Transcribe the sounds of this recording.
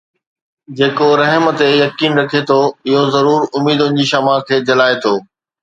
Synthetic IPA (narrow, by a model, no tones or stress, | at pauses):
d͡ʑeːkoɾɐɦmə̆t̪ejɐkiːnɾɐkʰet̪ʰoɪɦozɐɾuːɾʊmiːd̪ʊ̃nɪ̆d͡ʑiʃaːmakʰeːd͡ʑɐlaːet̪ʰoː